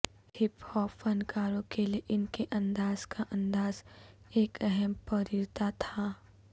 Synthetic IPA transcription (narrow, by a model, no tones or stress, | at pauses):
hɪphɔːfɐnkaːɾõkelieʔɪnkeʔɐ̃nd̪aːz̥kaʔɐ̃nd̪aːzeːkɛɦɛmpəɾiɾt̪at̪ʰaː